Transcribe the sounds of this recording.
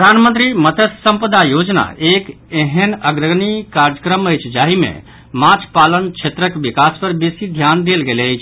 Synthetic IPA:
pɾəd̪ʱanmə̃nt̪ɾimət̪əssəmpəd̪ajod͡ʒna̰ʔek | eɦenəɡɾəɡnikaɾd͡ʒəkɾəməjt͡ʃʰd͡ʒaɦimḛ | mat͡ʃʰpalənt͡ʃʰet̪ɾəkbikaspəɾbesid̪ʱjand̪elɡeləjt͡ʃʰ

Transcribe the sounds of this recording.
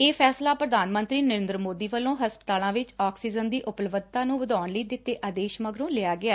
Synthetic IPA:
eːpʰɛːslaːpɾəd̪ʱaːnmə̃nt̪ɾiːnəɾɪ̃ːnd̪ɾəmoːd̪iːʋəlõːɦəspə̥t̪aːlãːʋɪt͡ʃaːksiːd͡ʒənd̪iːʔʊplʋəd̪t̪ãːnũːbəd̪aːɳləiːd̪ɪt̪ːeːʔad̪eːʃməɡɾõːlɪaːɡɪaː

